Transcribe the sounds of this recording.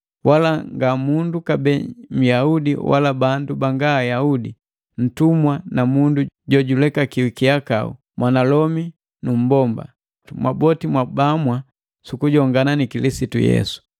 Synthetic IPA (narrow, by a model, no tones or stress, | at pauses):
wʔalaŋɡamundukabɛm̩jaudḭwa̰labandubaŋɡaːjaudi | n̩tumwanamunduɟɔɟulɛkakiwikiaka̰ṵ | mwʔanalɔmi | num̩bɔmba̰ | mwabɔtimwabamwa | sukuɟɔŋɡananikilisitujɛ̰su̥